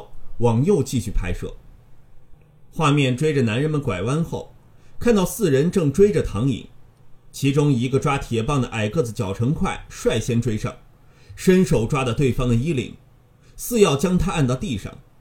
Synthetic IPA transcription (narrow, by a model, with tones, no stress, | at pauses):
wɑ˨˩ŋjo˥˧ʊt͡ɕi˥˧ɕy˥˩pʰa˧˥ɪʂɤ̰˥˩ | xwa˥˧mjɛ˥˩nʈ͡ʂwe˥ɪʈ͡ʂə˨na˧˥nɻə˧˥nmə˨˩nkwa˨˩ɪwa˥nxo˥˩ʊ | kʰa˥˧nt̪ɑ˥˧ʊsɹ̩˥˩ɻə˧˥nʈ͡ʂɤ˥˩ŋʈ͡ʂwe˥ɪʈ͡ʂə˨t̪ʰɑ˧˥ŋḭ˨˩˦ŋt͡ɕʰi˧˥ʈ͡ʂʊ˥ŋi˧˥ɡə˧ʈ͡ʂwa˥t̪ʰjɛ˨˩pɑ˥˩ŋd̪ə˩ʔa˨˩ɪkɤ˥˩t͡sɹ̩˨˩t͡ɕjɑ˨˩ʊʈ͡ʂʰɤ˧˥ŋkʰwa˥˩ɪʂwa˥˩ɪɕjɛ˥nʈ͡ʂwe˥ɪʂɑ̰˥˩ŋ | ʂə˥nʂo˨˩ʊʈ͡ʂwa˥d̪ə˧t̪we˥˩ɪfɑ˥ŋd̪ə˨i˥lḭ˨˩ŋ | sɹ̩˥˧jɑ˥˩ʊt͡ɕjɑ˥ŋt̪ʰa˥a˥˧nt̪ɑ˥˧ʊt̪i˥˧ʂɑ̰˥˩ŋ